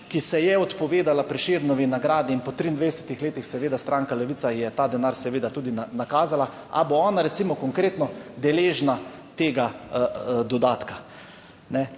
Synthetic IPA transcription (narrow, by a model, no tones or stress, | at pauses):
kisɛjɛɔt̪pɔʋeːd̪alapɾiʃeɾnɔʋinaɡɾaːd̪iːnpɔt̪ɾiːnd̪ʋed̪ɛsɛ̥t̪ixleːt̪ixsɛʋeːd̪ast̪ɾaŋkalɛʋiːsajɛt̪aːd̪ɛnaɾsɛʋeːd̪at̪uːd̪inanakaːzala | a̰boɔːnaɾɛt̪simɔkɔŋkɾeːt̪nɔd̪ɛleːʒna | t̪eːɡa | d̪ɔd̪aːt̪ka | nɛ